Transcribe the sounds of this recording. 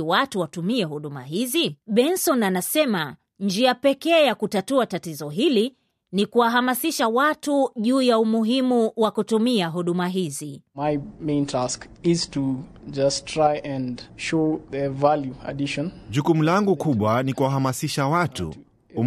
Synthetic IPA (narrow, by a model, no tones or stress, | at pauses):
watuwatumiɛhuɗuma̰ɦiziɓɛnsɔnanasɛma | ɲd͡ʒiapɛkɛjakutatuatatizɔɦili | nikuwaɦamasiʃawatuʄuːjaumuɦimuwakutumiaɦuɗumaɦizimaɪmẽɪ̃ntʰask | ɪz̥tʰu | d͡ʒastʰɹ̥aɪʔɛ̃nʃoðəvaljuə̰diʃɔ̃nʄukumulaŋɡukuɓwanikuwaɦamasiʃawatṵ | u